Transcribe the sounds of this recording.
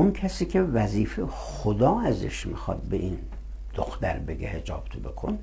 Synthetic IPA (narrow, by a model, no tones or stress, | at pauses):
unkʰæsiːkʰevæziːfe | xod̪ɒːæzḛʃmixɒ̰ːd̪̚beʔin | d̪̥oxt̪æ̰ɾbe̞ɡḛhe̞d͡ʒɒ̰ːb̥t̪ʰobe̞kʰon